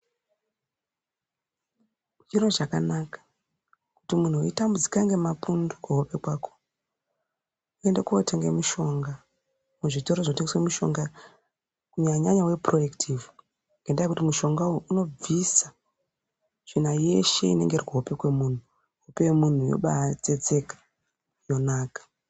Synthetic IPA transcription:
d͡ʒiro̞ʐakanakḁ | kutimun̤uoitambud͡zi̥kaŋɡe̞mapundukuɦo̞pe̞kwaːkʰo | uendekuotʰeŋɡemuʃo̞ŋɡa | muʐito̞ɾoʐoteŋɡeswemuʃo̞̰ŋɡa | kuɲaɲaɲawe̞pro̞jektʰivu | ŋɡendajekutimuʃo̞ŋɡauuno̞b͡visa | ʐ̥inaje̞ʃe̞̰ḭne̞̰ŋɡe̞irkuɦope̞kwe̞muːn̤u | ɦopemun̤ujo̰ɓat͡se̞d͡ze̞kḁ | jo̞naːkḁ

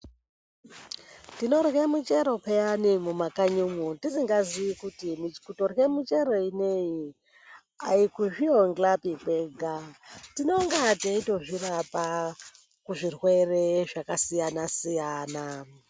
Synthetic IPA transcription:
tinorɣemut͡ʃeɾo̞peanimumakaɲumutisiŋɡaziikutimit͡ʃkutorɣemut͡ʃe̞ɾoineji | aikuʐioŋɡlapipeːɡʱatino̞ŋɡateito̞ʐirapa | kuʐirwereʐakasijanasijaːna

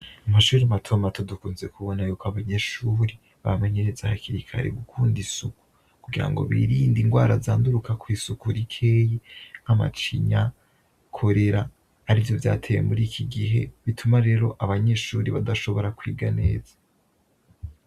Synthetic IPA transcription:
amaʃuːɾiamatʰo̞matʰodukuːnze̞kuβo̞najuːkoaβaɲeʃuːɾi | βa̰me̞ɲe̞ɾezahakiɾikʰa̰ɾḛɡukʰuːndisuku̥ | kuɡiɾa̰ŋɡo̞̰βḭɾiːndiŋɡwaːɾazaːnduɾukakwiːsukuɾikʰeːjiama̰t͡ʃḭɲa | kʰo̞ɾe̞ɾaː | ɾivjo̞vja̰ːtʰe̞jḛmuɾiːkʰiɡiɦe̞̰βitʰumaɾe̞ːɾo̞ʔaβaɲe̞ːʃuːɾiβadaʃo̞βo̞ɾakwiːɡane̞̰ːzḁ

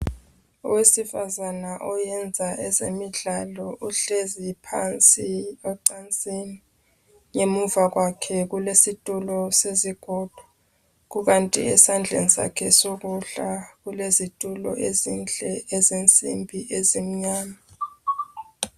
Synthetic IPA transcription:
ṵwesifazanaʔɔjɛnd͡zʱaʔɛzemiɮalɔʔuɬezipʰant͡sʼiɔǀant͡sʼini | ŋemuvaɣwakʰɛɣ̬ulesitʼulɔseziɡ̥ʱɔːd̥ʱɔ̥ | k̬uɣantʼḭɛ̰sand͡ɮʱḛnisa̰kʰɛsoɣ̬uɬaɣulezitʼulɔ̰ʔezint͡ɬʼɛezint͡sʼimbʱiʔezim̩ɲaːma

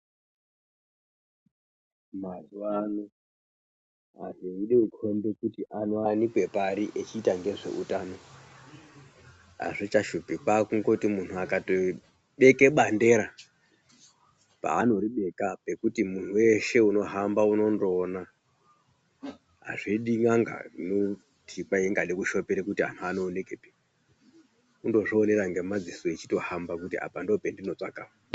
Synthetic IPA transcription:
mazuwano | a̰zeiɗeukʰo̞mbe̞kutiʔanoanikwe̞paɾiʔet͡ʃiːtaŋɡe̞ʐe̞̰ʔutano̞ | ɦa̰ʐit͡ʃaʃupikakuŋɡotimun̤uakato | ɓe̞ke̞ɓande̞ɾa | pa̰ːno̞ɾiɓe̞kape̞kutimunuwe̞ʃe̞uno̞ɦambauno̞ndoːna | ɦa̰ʐiɗiŋaŋɡa̰no | tʰikwaeŋɡaɗekuʃo̞peɾekutia̰n̤uanoːne̞kepe | undo̞ʐiːne̞ɾaŋɡemad͡zisoet͡ʃi̥to̞hambakutia̰pandopendino̞t͡sakawa

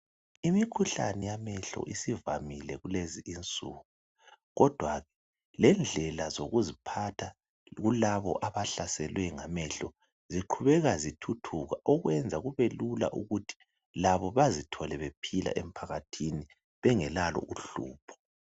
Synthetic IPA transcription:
imikʰuɬa̰nɛjamɛɬɔ̰ʔisivamilɛɣuleziʔint͡sʼuːɣu | ɣɔd̥ʱwaɣɛ | lɛnd͡ɮʱɛlazoɣuzipʰatʰa | ɣulaβɔ̰ʔaβaɬasɛlwɛŋamɛɬɔ | ziǃʰuβɛɣazitʰutʰuɣaʔɔɣwɛnd͡zʱaɣuβelula̰ʔuɣutʰi̥ | laβɔβazitʰɔlɛβepʰila̰ʔem̩pʰaɣatʰini | βɛŋɛlalɔ̰ʔuɬṵːpʰɔ̥

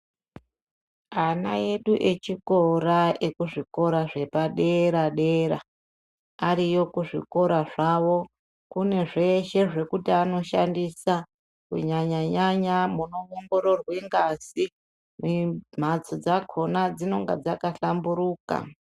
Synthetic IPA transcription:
ana̰je̞ɗuʔe̞t͡ʃiko̞ɾaekuʐiko̞ɾaʐe̞paɗe̞ɾaɗeɾa̰ | aɾijo̞kuʐḭko̞ɾaʐaʋo̞ | kune̞ʐe̞ʃe̞ʐe̞kutiano̞ʃa̰ndisa | kṵɲaɲaɲaɲamuno̞ʋoŋɡoɾo̞rweŋɡasi | mum̤at͡sod͡zakʰo̞nad͡zino̞ŋɡa̰d͡zakaɬambuɾuːka̰

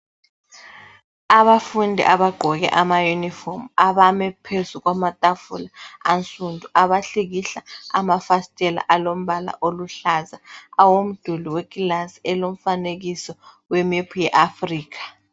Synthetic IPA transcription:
aβafundʱḭʔaβaɡ͡ǃʱɔɣɛ̰ʔamajunifɔmaβamɛpʰezuɣwamatʼafulaant͡sʼundʱuʔaβaɬiɣiɬaa̰mafastʼɛla̰ʔalom̩βala̰ʔoluɬazaawom̩d̥ʱuliweɡʼilansiɛlom̩faneɣisɔ | wemipʰujɛʔafriːk̬ʰḁ

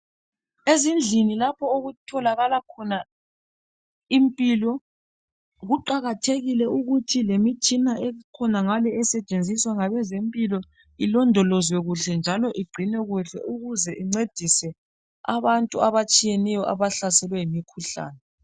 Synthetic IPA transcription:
ezind͡ɮʱinilapʰɔoɣutʰɔlaɣalakʰɔna | impʼilɔ | ɣuǃaɣatʰeɣilɛuɣutʰilemit͡ʃʼinaʔɛkʰɔnaŋalɛɛsɛt͡ʃʼend͡zʱiswaŋaβɛzempʼilɔ | ilɔndʱɔlɔzwɛɣuɬɛnd͡ʒʱalɔʔiɡ͡ǀʱinɛɣuɬɛ̰ʔuɣuzɛʔiŋ͡ǀed̥ʱisɛ | a̰βantʼuaβat͡ʃʼijɛnɛjɔʔa̰βaɬasɛlwɛjimikʰuɬa̰ːnɛ

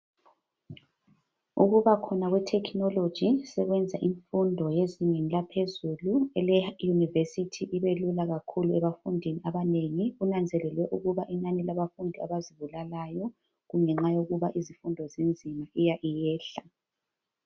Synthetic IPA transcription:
uɣuβakʰɔnaɣwɛtʰɛkʰnɔlod̥ʒ̥ʱisɛɣwɛnd͡zʱaʔiɱfundʱɔjeziɲenilapʰezuluɛlɛjunivesitʰiʔiβelulaɣakʰuluɛβafundʱiniaβaneŋiunand͡zʱɛlɛlwɛʔuɣuβaʔinanilaβafundʱiaβaziβulalajɔ | ɣuŋɛŋ͡ǁajoɣuβaʔizifundʱɔzend͡zʱimaʔijaʔijɛːɬa

